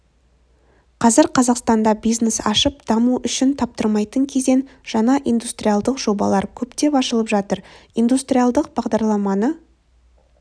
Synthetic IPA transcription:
qʰɑzɪɾqʰɑzɑqst̪ɑnd̪ɑbijznesɑ̰ʃəpd̪̥ɑmuʔʏʃɪnt̪ʰɑp̚t̪əɾmɑjt̪əŋkʲʰe̞ze̞nʒ̥ɑnɑʔijnd̪ust̪ɾijalˠd̪əqʒ̥o̞bɑ̰lˠɑɾkʲʰɵpt̪e̞pɑʃəlˠəpʒɑt̪əɾind̪ust̪ɾʲijalˠd̪əq̚bɑʁd̪ɑɾlˠɑmɑnə

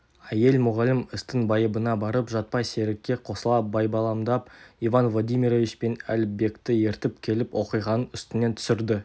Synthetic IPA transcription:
æje̞lʲmʊʁɑlɪməst̪ənbɑjəbənɑbɑɾəpʒɑt̪̚pɑjse̞ɾɪk̚ʲːe̞qʰo̞səlˠɑp̚bɑjbɑlˠɑmd̪ɑpivanvlˠod̪ijmʲiɾovit͡ʃpe̞nælbe̞kt̪ɪje̞ɾt̪ɪpkʲʰe̞lɪpwo̞qijʁɑnənʏst̪ɪne̞nt̪ʰʏ̥sɪɾd̪ɪ

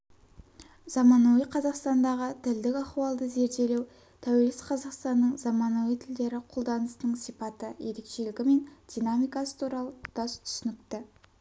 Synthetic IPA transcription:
z̥ɑmɑnowijqʰɑzɑqst̪ɑnd̪ɑʁət̪ʰɪld̪ɪkʲɑχuwɑlˠd̪əze̞ɾd̪e̞lew | t̪ʰæwe̞lɪsqʰɑzɑqst̪ɑnːəɴzɑmɑnowijt̪ʰɪld̪e̞ɾɪqʰolˠd̪ɑnəsənəɴsijpɑt̪əje̞ɾe̞kʃe̞lɪɡʲɪme̞nd̪̥ʲijnamijkɑsə̥t̪ʰuɾɑlˠəd̪̥ɑst̪ʰʏ̥sʏnɪk̚t̪ɪ

